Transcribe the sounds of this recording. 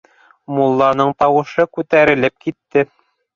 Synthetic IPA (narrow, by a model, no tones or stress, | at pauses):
mulˠːɑnɤɴt̪ɑwɤ̆ʃɤkʉt̪æɾɘ̆lɘp̚kit̪ːɘ